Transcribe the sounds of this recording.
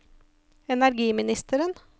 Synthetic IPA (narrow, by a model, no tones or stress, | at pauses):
ɛnæɾɡiːmɪnɪst̪əɾən